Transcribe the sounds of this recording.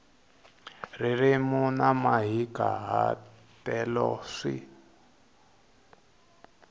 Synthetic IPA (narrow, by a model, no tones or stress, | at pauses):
ririmunamaɦikaɦa | tɛlɔʂḭ